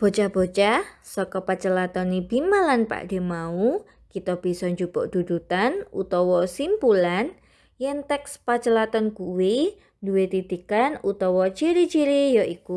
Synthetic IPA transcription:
b̥o̤t͡ʃab̥ot͡ʃasɔkɔpat͡ʃəlat̪ɔnibimalanpa̰ʔd̥e̤mau | kit̪ɔb̥i̤sɔɲd͡ʒub̥ɔʔd̥̪ud̪ut̪anṵt̪ɔwɔsimpulan | jɛŋt̪ɛkspat͡ʃəlat̪ɔnkuwi | duwet̪id̪ikanut̪ɔwɔt͡ʃiɾit͡ʃiɾijɔʔiku

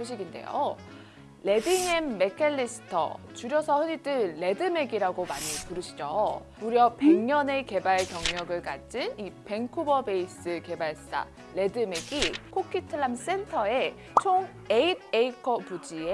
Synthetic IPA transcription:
soɕʰiɡinde̞̰jo̰ | le̞diŋemːe̞kʰeɭːis͈ʰɯ̥tʰʌ̰ | t͡ɕuɾjʌsʰʌhɯɾidɯɭːe̞dɯme̞ɡiɾaɡomaɲipuɾɯɕʰi̥d͡ʑo | uɾjʌpe̞ŋɲʌne̞ke̞baɭkjʌŋɲʌɡɯɭkad͡ʑ͈inipe̞ŋkʰubʌbe̞is͈ɯke̞baɭst͈a̰ | le̞dɯme̞ɡikʰokʰitʰɯɭams͈e̞ntʰʌe̞ | t͡ɕʰoŋ | eid̚eikʰʌpud͡ʑie

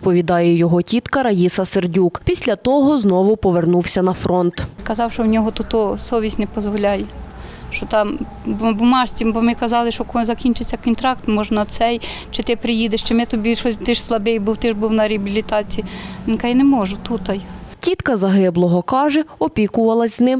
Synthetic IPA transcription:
it̪pɔʋʲid̪ɑjɛjɔɦɔtʲit̪kɐɾɐjisɐserdʲukpʲisʲlʲɐt̪ɔɦɔznɔʋʊpɔʋernuwsʲɐnɐfɾɔnt̪kɐzɑwʃɔwnʲɔɦɔt̪ut̪ɔsɔʋʲisʲnɛpɔzʋɔlʲɑjɛ | ʃɔt̪ɑm | bʊmɑʃt͡sʲimbɔmɪkɐzɑlˠɪʃɔkɔzɐkʲinʲt͡ʃɪt͡sʲːɐkɔnt̪ɾɑkt̪mɔʒnɐsɛjt͡ʃɪt̪ɪpɾɪjid̪eʃt͡ʃɪmɛt̪ɔbʲiʃɔt̪ɪʃslˠɐbejbuwt̪ɪʒbuwnɐɾʲeɐbʲilʲit̪ɑt͡sʲijinɪkɑjnemɔʒʊt̪ut̪ɐjtʲit̪kɐzɐɦɪblˠɔɦɔkɑʒɛɔpʲikʊʋɐlˠɐzʲznɪm

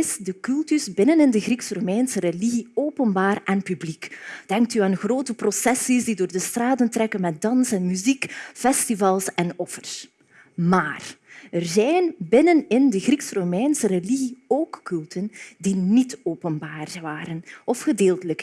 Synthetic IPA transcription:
ɪsdəkʉlˠtyzbɪnənɪndəɣriksromɛnsəɾeliɣioːpənbaːrɛnpyblikd̥ɛŋk̚tyaːnɣroːtəprosɛsizdidoːrdəstraːdəntrɛkənmɛt̚dɑnsɛnmyzikfɛstivɑlˠsɛnɔfərs | maːrərzɛjnbɪnənɪndəɣriksromɛjnsəɾeliɣioːkːʉlˠtəndinitoːpənbaːrʋaːɾənʔɔfxədeːlˠtələk

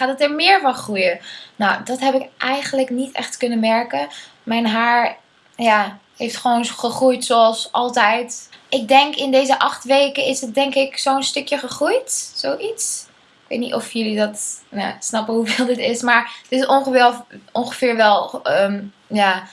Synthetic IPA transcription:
χaːtətɛɹmɪːɹvɑnχrujənawdɑtɦɛpɪkʔɛjχənləknitɛ̰χtkɵnənmɛɹkə | mɛjnɦaːɹ | ja | hejftχəʋownχəχrujtsoɑlˠsʔɑlˠtɛjtʔɪk̚dɛŋkɪndejzəʔɑχtʋejkəɪsət̚dɛŋkɪksownstɵkjəχəχrujtsowʔits | ɪkʋḛjtnitɔfjɵlidɑtna̰snɑpəɦuvɪːlˠdɪtɪsmaːɹətɪsɔŋχəvɪlɔŋχəvɪːɹʋɛlˠəm | jaː

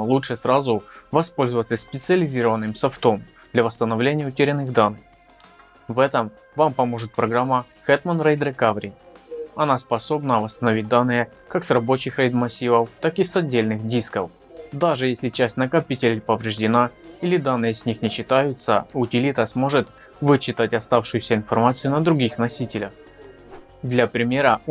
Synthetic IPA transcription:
lˠutʂɨsɾazʊvɐspo̞lʲzəvət̪səsʲpʲɪt̪sɨɐlʲɪzʲiɾəvənːɨmsɐft̪om | d̪lʲɐvəst̪ənɐvlʲenʲɪjəʊtʲɪɾʲɪnɨxd̪anːɨx | vɛt̪əm | vampɐmo̞ʐɨt̪̚pɾɐɡɾamːɐ | xɛt̪mənɾɛjd̪ɾɨkavɾʲɪɐnaspɐso̞bnəvəst̪ənɐvʲit̚ʲd̪anːɨjə | kaksrɐbo̞t͡ɕɪxɾəjd̪mɐsʲivəft̪akɨsɐdʲːelʲnɨxdʲiskəf | d̪aʐɨjesʲlʲɪt͡ɕæsʲtʲnəkɐpʲitʲɪlʲɪjpəvɾʲɪʐdʲɪnailʲɪd̪anːɨjəsʲnʲixnʲɪɕːɪt̪ajʊt̪sə̰ʊtʲɪlʲit̪əsmo̞ʐɨt̪ | vɨt͡ɕːɪt̪atʲɐst̪afʂɨjʊsʲəɪnfɐrmat̪sɨjʊnəd̪ɾʊɡʲixnɐsʲitʲɪlʲə̰x | d̪lʲɐpɾʲɪmʲe̞ɾə

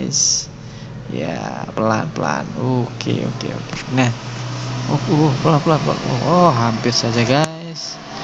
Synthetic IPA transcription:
ɪ̰s | japəla̰npəla̰nokʰḛo̰kḛo̰kenah | ouhpəlanpəlanpla̰nɔ̰hɔɦampɪrsad͡ʒaɡaɪs

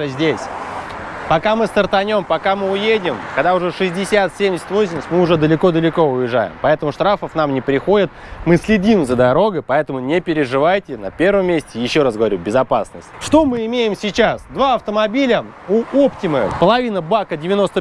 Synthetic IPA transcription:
zʲdʲesʲ | pɐkamɨst̪ərt̪ɐnʲo̞mpɐkamɨʊjedʲɪmkɐɡd̪aʊʐɛʂɨzʲdʲɪsʲat̪sʲemʲdʲɪsʲɪ̥t̪ʲvo̞sʲɪmʲəsʲtʲmɨʊʐɛd̪əlʲɪko̞d̪əlʲɪko̞ʊjɪʐːa̰jɪ̰mpɐɛt̪əmʊʂt̪ɾafəfnamnʲɪpɾʲɪxo̞dʲɪt̪̚mɨsʲlʲɪdʲimzəd̪ɐɾo̞ɡəjpɐɛt̪əmʊnʲɪpʲɪɾʲɪʐɨvajtʲɪnɐpʲervəmʲːesʲtʲɪjɪɕːo̞ɾasɡəvɐɾʲubʲɪzɐpasnəsʲtʲʂt̪o̞mɨɪmʲejɪmsʲɪt͡ɕasd̪vaɐft̪əmɐbʲilʲə | ʊoptʲɪməpəlˠɐvʲinəbakədʲɪvʲɪno̞st̪ə

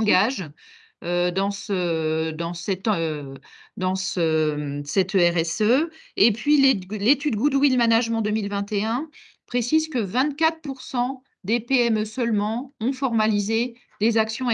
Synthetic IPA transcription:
ɡaʒ | ød̪ɑ̃səd̪ɑ̃sɛt̪ | d̪ɑ̃səsɛt̪øɛʁɛsøepɥillet̪yd̪̚ɡud̪wilmanaʒmɑ̃d̪ømilvɛ̃t̪eɛ̃ | pχesizkəvɛ̃t̪̚kʲat̪χpuʁsɑ̃ | d̪epeɛmøsœlmɑ̃ɔ̃fɔʁmalize | lezaksjɔ̃

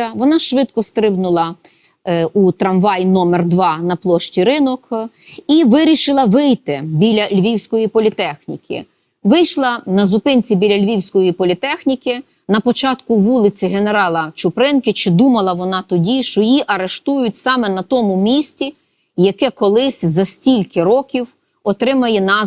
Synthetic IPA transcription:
ɐʋɔnɑʃʋɪt̪kɔst̪ɾɪbnʊlˠɐ | ut̪ɾɐmʋɑjnɔmɛrd̪ʋɑnɐplˠɔʃt͡ʃʲiɾɪnɔkiʋɪɾʲiʃɪlˠɐʋɪjt̪ɪbʲilʲɐlʲʋʲiwsʲkɔjipɔlʲit̪ɛxnʲḭkɪ̰ | ʋɪjʃlˠɐnɐzʊpɪnʲt͡sʲibʲilʲɐlʲʋʲiwsʲkɔjipɔlʲit̪ɛxnʲikɪ | nɐpɔt͡ʃɑt̪kʊʋulˠɪt͡sʲɪɦe̞ne̞ɾɑlˠɐt͡ʃʊpɾɪnkɪt͡ʃɪd̪umɐlˠɐʋɔnɑt̪ɔdʲiʃt͡ʃɔjiʔɐɾeʃt̪ujʊtʲsɑmɛnɐt̪ɔmʊmʲisʲtʲi | jɐkɛkɔlˠɪsʲzɐsʲtʲilʲkɪɾɔkʲiw | ɔt̪ɾɪmɐjɛnɑ

